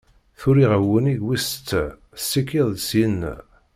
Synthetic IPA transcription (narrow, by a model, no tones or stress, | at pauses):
θʊɾiʁəwəniɡwist̪ː | sikːiðˤsin